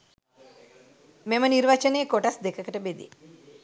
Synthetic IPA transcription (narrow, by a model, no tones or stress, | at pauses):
meməniɾʋat͡ʃɐneːkoʈasd̪ekɐkəʈəbed̪ḭ